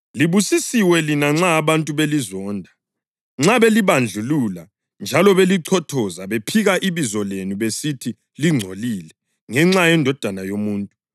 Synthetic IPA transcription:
liβusisiwɛlinaŋ͡ǁaːβantʼuβelizɔːndʱa | ŋ͡ǁaβeliβand͡ɮʱulula | nd͡ʒʱalɔβeliǀʰɔtʰɔzaβepʰiɣaʔiβizɔlenuβesitʰi | liŋ͡ǀʱolilɛ | ŋɛŋ͡ǁajɛndʱɔd̥ʱanajomuːntʼu

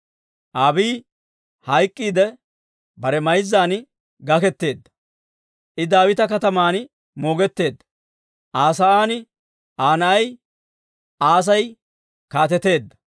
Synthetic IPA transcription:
ʔaːbiː | hɐjkʼːiːd̪ɛ | bɐɾɛmɐjzːaːn | ɡɐkɛt̪ːe̞ːd̪ːɐ̥ | ʔɪd̪aːwɪt̪ɐkɐt̪ɐmaːn | mo̞ːɡɛt̪ːe̞ːd̪ːɐ | ʔaːsɐʔaːnɪ | ʔaːnɐʔɐj | ʔaːs̬ɐj | kaːt̪ɛt̪e̞ːd̪ːɐ̥

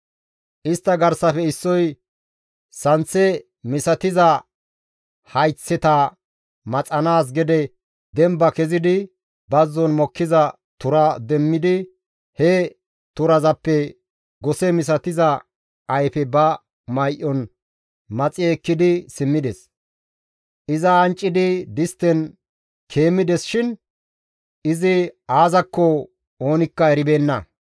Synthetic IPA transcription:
ʔɪst̪ːɐɡɐɾsɐfɛɪsːɔj | sɐnt͡sːɛ | mɪsɐt̪ɪzɐ | hɐjt͡sːɛt̪ɐ | mɐt͡sʼɐnaːs̬ɡɛd̪ɛ | d̪ɛmbɐkɛzɪd̪ɪ | bɐzːɔnmɔkːɪzɐ | t̪ʊɾɐd̪ɛmːɪd̪ɪ | hɛ | t̪ʊɾɐzɐpːɛ | ɡɔsɛmɪs̬ɐt̪ɪzɐ | ɐjfɛbɐ | mɐjʔɔn | mɐt͡sʼɪɛkːɪd̪ɪsɪmːɪd̪ɛs | ʔɪzɐːnt͡ʃʼːɪd̪ɪd̪ɪst̪ːɛn | kʰe̞ːmːɪd̪ɛsʃɪn | ɪzɪaːzɐkːɔ | oːnɪkːɐɛɾɪbe̞ːnːɐ

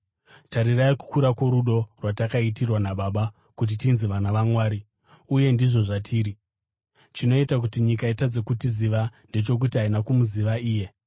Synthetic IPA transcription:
taɾiraiku̥kuɾakwo̞ɾuɗo̞rwatakaitirwanaɓaːɓa | kut̬itinziʋanaʋamwaːɾi | uje̞ndiʐo̞ʐatʰiːɾi | t͡ʃino̞itak̬utiɲikaitad͡zekutiziʋande̞t͡ʃo̞k̬utiainakumuziʋaiːje̞

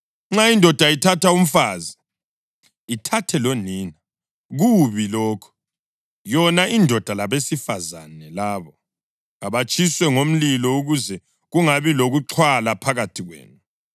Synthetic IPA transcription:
ŋ͡ǁaindʱɔd̥ʱaitʰatʰaum̩faːzi | itʰatʰɛloniːna | ɣuβilɔːkʰɔ̥ | jɔnaʔindʱɔd̥ʱalaβesifaza̰nɛlaːβɔ | aβat͡ʃʼʰiswɛŋom̩lilɔuɣuzɛ | ɣuŋaβiloɣuǁʰwalapʰaɣatʰiɣwḛːnu

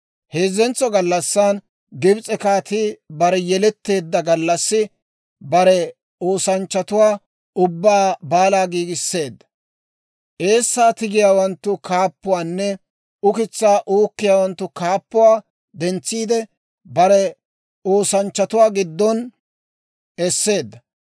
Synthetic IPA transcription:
heːzɛnt͡sːɔɡɐlːɐsːan | ɡɪbt͡sʼɛkaːt̪ɪbɐɾɛjɛlɛt̪ːe̞ːd̪ːɐɡɐlːɐsːɪ | bɐɾɛ | o̞ːsɐnt͡ʃːɐt̪ʊwaː | ʊbːaːbaːlaːɡiːɡɪsːe̞ːd̪ːɐ̥ | ʔe̞ːsːaːt̪ɪɡɪjaːwɐnt̪ːʊkaːpːʊwaːnːɛ | ʊkɪt͡sːaːʔuːkːɪjaːwɐnt̪ːʊkaːpːʊwaː | d̪ɛnt͡sːiːd̪ɛ | bɐɾɛ | o̞ːsɐnt͡ʃːɐt̪ʊwaːɡɪd̪ːɔn | ɛsːe̞ːd̪ːɐ

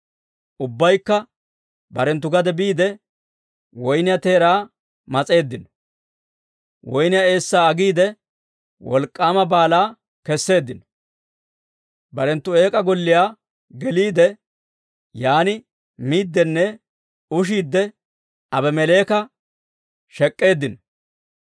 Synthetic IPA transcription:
ʔʊbːɐjkːɐ | bɐɾɛnt̪̬ːʊɡɐd̪ɛbiːd̪ɛ | wɔjnɪjɐt̪e̞ːɾaː | mɐt͡sʼe̞ːd̪ːɪnɔ | wɔjnɪjae̞ːsːaːɐɡiːd̪ɛ | wɔlkʼːaːmɐbaːlaː | kɛsːe̞ːd̪ːɪnɔ | bɐɾɛnt̪ːʊe̞ːkʼɐɡɔlːɪjaː | ɡɛliːd̪ɛ | jaːnɪ | miːd̪ːɛnːɛ | ʊʃ̬iːd̪ːɛ | ɐbɛmɛle̞ːkɐ | ʃɛkʼːe̞ːd̪ːɪnɔ

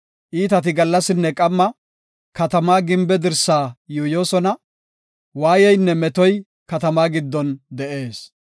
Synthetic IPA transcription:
ʔiːt̪ɐt̪̬ɪɡɐlːɐsɪnːɛkʼɐmːɐ | kɐt̪ɐmaːɡɪmbɛd̪ɪɾsaːjuːjo̞ːsɔnɐ | waːjɛjnːɛmɛt̪ɔj | kɐt̪ɐmaːɡɪd̪ːɔnd̪ɛʔe̞ːs

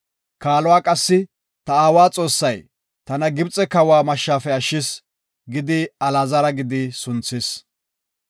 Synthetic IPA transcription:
kaːlɔwaːkʼɐsːɪ | t̪ɐaːwaːt͡sʼo̞ːsːɐj | t̪ɐnɐɡɪbt͡sʼɛkɐwaːmɐʃːaːfɛɐʃːɪs | ɡɪd̪ɪɐlɐzɐɾɐɡɪd̪ɪsʊnt͡sːɪs

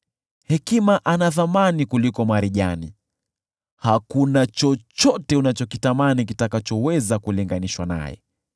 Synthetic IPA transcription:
hɛkimaʔanaθamanikulikɔmaɾiʄanḭ | hakunat͡ʃɔt͡ʃɔtɛunat͡ʃɔkitamanik̬itakat͡ʃɔwɛzakuliŋɡaniʃwana̰jɛ̰

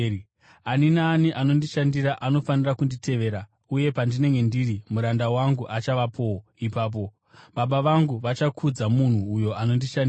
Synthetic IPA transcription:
aninaːniʔano̞ndiʃandiɾaʔano̞fanirakunditʰe̞ʋe̞ːɾa | uje̞pandine̞ŋɡe̞ndirimuɾandawaŋɡuʔat͡ʃaʋapʰoipaːp̬o̞ | ɓaɓaʋaŋɡuʋat͡ʃakʰud͡zamun̤uːjo̞ano̞ndiʃandi

